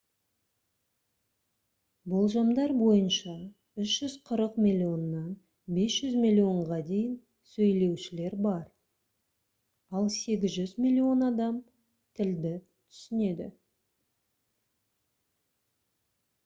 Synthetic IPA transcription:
bolˠʒɑmd̪ɑɾbo̞jənʃɑ | ʏʃʒ̥ʏzqʰəɾəqmʲilʲːio̞nːɑn | be̞sʒ̥ʏzmʲilʲːio̞ɴʁɑd̪e̞jɪn | sɵjle̞wʃɪle̞ɾbɑɾ | ɑlˠse̞ɡʲɪzʒʏzmʲilʲːio̞nɑd̪ɑm | t̪ʰɪld̪ɪ | t̪ʰʏ̥sɪne̞d̪ɪ̰

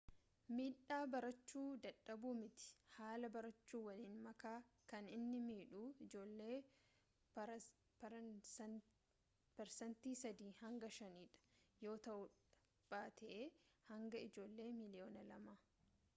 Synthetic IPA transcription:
miːᶑːaːbɐɾɐt͡ʃːuːd̪ɐᶑːɐbuːmɪt̪ɪ̥haːlɐbɐɾɐt͡ʃːuːwɐliːnmɐkaːkɐnɪnːɪmiːᶑuːɪd͡ʒo̞ːlːe̞ː | pɛɾsɐnt̪iːsɐd̪iːhɐŋɡɐʃɐniːᶑɐ̥jo̞ːt̪ɐʔʊ | b̥aːt̪ʰɛʔeːhɐŋɡɐɪd͡ʒo̞ːlːe̞ːmɪlɪjo̞ːnɐlɐmaː

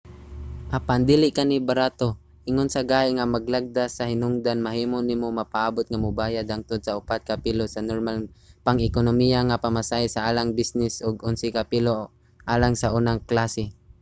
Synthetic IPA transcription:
ʔapand̪iːlɪʔkanibaɾaːt̪o | ʔɪŋonsaɡaːɪŋamaɡlaɡ̚d̪asahɪnʊŋd̪anmaɦiːmonimomapaʔaːbʊt̪̚ŋamʊbaːjad̪aŋt̪ʊd̪̚saʊpat̪̚kapilosanoɾmalpaŋɪkonomijaŋapamasajsaaːlaŋbisnɪsʔʊɡʊnsɪkapilo | ʔaːlaŋsaʔunaŋklasɪ

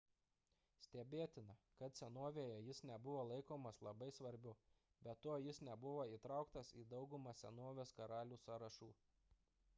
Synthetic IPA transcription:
sʲt̪ʲɛbʲeːt̪ʲɪnɐkɐt̪sʲɛnoːʋʲeːjɛjɪsnʲɛbʊʋoːlˠɐɪkoːmɐslˠɐbɐɪsʋɐɾʲbʲʊ | bʲɛt̪ːoːjɪsnʲɛbʊʋoːiːˑt̪ɾɑʊkt̪ɐsiːd̪ɒʊɡʊmɑːsʲɛ̰noːʋʲeːskɐɾɑːlʲuːsɑːɾɐʃuː

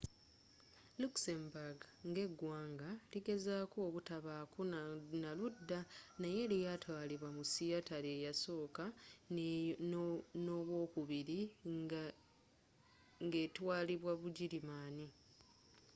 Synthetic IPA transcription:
luksembuɡŋɡe̞ɡwaːŋɡaliɡe̞zaːkuoβutaβaːkunaludːanaje̞lijatwaːliβwamusijataɾeːjaso̞ːka | no̞ːβwo̞ːkuβiɾi | ŋɡe̞ːtwaːliβwaβuɟiɾimaːni

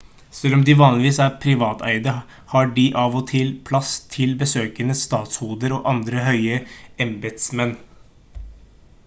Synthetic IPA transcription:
sɛlːɔmd̪ɪʋɑːnlɪʋiːsæːɾpʰɾɪʋɑːt̪ʰæ̰ɪd̪ə | hɑɖɪʔɑːʋɔt̪ʰɪlpʰlɑst̪ʰɪlbəsøːkənəst̪ɑːt̪shuːd̪əɾɔʔɑnd̪ɾəɦœʏəɛmbɛt̪smɛnː

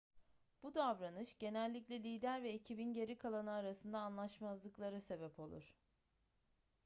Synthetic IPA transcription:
b̥ud̪avɾanɯʃɟe̞nɛlʲːicʲlʲɛlʲiːd̪æɾvɛicʰibinɟe̞ɾikʰalˠanɯaɾasɯnd̪aːnlˠaʃmazlˠɯklˠaɾɯse̞bɛpʰo̞lˠṵɾ̝̥

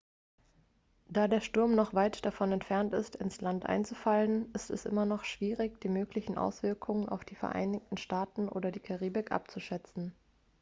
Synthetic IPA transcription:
d̥aːdeːɐʃtʊɐmnɔχv̥aɪtd̥afɔnɛntfɛɐntɪ̰stɪnslantʔa̰ɪnt͡sufalənʔɪstɛsʔɪ̰mɐnɔχʃv̥iːʁɪçd̥iːmøːklɪçn̩ʔa̰ʊsv̥ɪɐkʰʊŋəna̰ʊfd̥iːfɛɐʔa̰ɪnɪç̚tn̩ʃtaːtn̩ʔo̰ːdɐdiːkʰaʁiːbɪkʔa̰p̚t͡suʃɛt͡sn̩

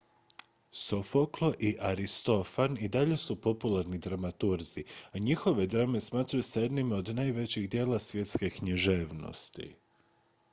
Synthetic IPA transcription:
sofoklˠo̞ʔiʔaɾist̪o̞fanid̪aʎe̞supo̞pulˠaɾnid̪ɾamat̪uɾziaɲixo̞ʋe̞d̪ɾame̞smaːt̪ɾajusaje̞d̪nimo̞d̪naːjʋe̞t͡ɕiɣd̪je̞ːlˠasʋʲje̞t̪ske̞kɲiʒeːʋno̰st̪ḭ

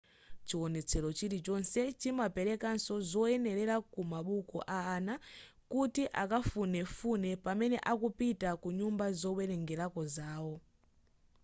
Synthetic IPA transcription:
t͡ʃiwɔnɛt͡sʰɛɾɔt͡ʃiɾit͡ʃɔnsɛt͡ʃimapɛɾɛkansɔzɔɛnɛɾɛɾakumaɓukɔ̰ʔaːna | kutiʔakafunɛfunɛpamɛnɛ̰ʔakupitakuɲumbazɔwɛɾɛŋɡɛɾakɔzaːwɔ

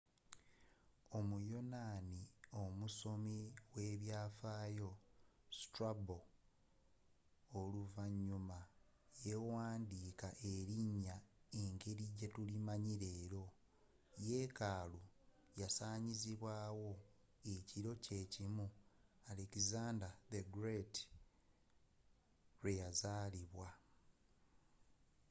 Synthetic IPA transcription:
o̞mujo̞naːnio̞muso̞miwe̞ːβjaːfaːjo̞stɾabo | luvaɲːuma | je̞waːndiːkaʔe̞ɾiɲːaeŋɡe̞ɾiɟetulimaɲiɾe̞ːɾo̞ | je̞ːkaːlu | jasaːɲiziβwaːwo̞ | eciɾo̞ce̞ːcimualekizaːndaðeɡɾeti̥ | ɾwejazaːliβwa

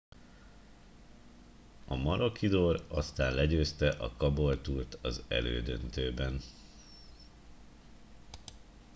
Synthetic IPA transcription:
ɒmɒɾo̞kid̪oːɾɒst̪aːnlɛɟøːst̪ɛʔɒkɒbolt̪uːrt̪ɒzɛ̰lø̰ːd̪ønt̪øːbɛn

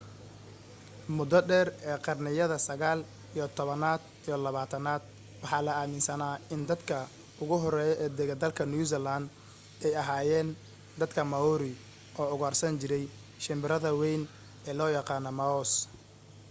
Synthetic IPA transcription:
mʊd̪ɔɖɛːrɛːqɑrnɪjɐðɐsɐɣaːl | ijɞt̪ʰɔβɐnaːd̪ | ijɔlɐβaːt̪ʰɐnaːd̪ | wɑħɑːlɐaːmɪnsɐnaːɪnd̪ɐd̪kʰɐ | ʊɣʊɦɔɾɛːjɔʔɛːd̪ɛɣɐd̪ɐlkʰɐnjuːsɛland̪ | ɛjɐɦaːjɛːn | d̪ɐd̪kʰɐmɐuɾɪ | ʔɔːʊɣɐrsɐnt͡ʃɪɾɛj | ʃɪmbɪɾɐðɐwɛjn | ɛːlɔːjɑqɑːnɔmɐɔs

